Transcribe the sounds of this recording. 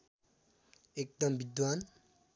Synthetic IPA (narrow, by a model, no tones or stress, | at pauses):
ek̚d̪ʌmbid̪wan